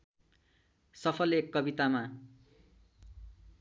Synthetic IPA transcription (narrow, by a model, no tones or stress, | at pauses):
sʌpʰʌlekːʌbit̪ama